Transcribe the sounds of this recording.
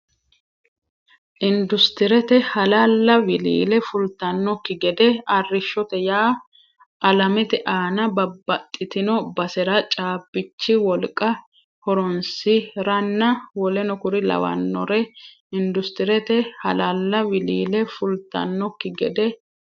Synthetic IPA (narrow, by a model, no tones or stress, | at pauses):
ʔɪnd̪ʊst̪ɪɾɛt̪ɛhɐlalːɐwɪlḭːlɛfʊlt̪ɐnːɔkːɪɡɛd̪ɛɐrːɪʃːɔt̪ɛjaː | ʔɐlɐmɪt̪ɛʔaːnɐbɐbːɐt̪ʼːɪt̪ɪnɔbɐsɛɾɐt͡ʃʼaːbːɪt͡ʃːɪwɔlkʼɐ | hɔɾɔnsɪɾɐnːɐwɔlɛnɔkʊɾɪlɐ̰wɐ̰nːɔɾɛ | ɪnd̪ʊst̪ɪɾɛt̪ɛhɐlalːɐwɪliːlɛfʊlt̪ɐ̰nːɔkːɪɡɛd̪ɛ